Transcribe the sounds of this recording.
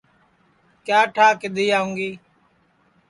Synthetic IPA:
kjaːʈʰaːkɪɗ̪ʱiːaːʊ̃ŋɡeː

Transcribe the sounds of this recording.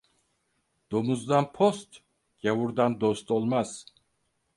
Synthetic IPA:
d̪̥omuzd̪anpʰost̪ | ɟevuɾd̪and̪ost̪ʰolˠmaz̥

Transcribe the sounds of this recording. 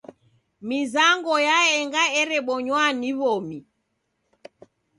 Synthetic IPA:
mizaŋɡɔjaɛŋɡaɛɾɛɓɔɲwaniβɔmi

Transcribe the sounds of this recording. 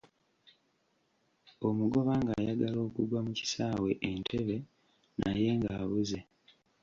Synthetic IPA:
o̞muɡo̞βaːŋɡaːjaɡalo̞ːkuɡwamuci̥saːwe̞ʔentʰe̞βe̞ | nʔaje̞ŋɡaːβuze̞

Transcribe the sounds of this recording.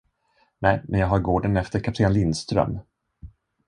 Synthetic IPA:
nɛjmɛnjɑːɡɦaɾɡoːɖənɛft̪əɾkʰat̪ʰɾɪnlɪnst̪ɾœ̰m

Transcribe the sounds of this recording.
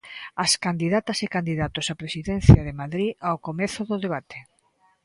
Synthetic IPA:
askand̪iðat̪ɐsekand̪iðat̪osapɾesiðen̟θjɐðemaðɾiawkomeθʊðoðeβat̪e̥

